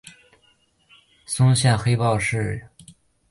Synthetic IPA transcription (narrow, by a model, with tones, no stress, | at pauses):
sʊ˥ŋɕjɛ˥˩nxe˥ɪpɑ˥˧ʊʂɻ̩˥˩